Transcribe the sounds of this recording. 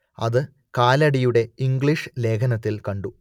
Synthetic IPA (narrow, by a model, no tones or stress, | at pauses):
ɐ̰ðɨ | kaːlɐɽijuɽe̞iŋɡɭiʂɨle̞ːkʰɐnɐt̪ːilkɐɳɖu